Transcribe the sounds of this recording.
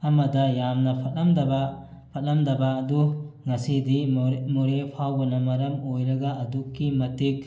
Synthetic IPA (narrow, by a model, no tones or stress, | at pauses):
ɐmɐdɐjamnɐpʰɐtɐmdɐbɐ | pʰɐt̚lɐmdɐbɐːduŋɐsidimoɾepʰawbɐnɐmɐɾɐmojɾɐɡɐɐdukːimɐtik̚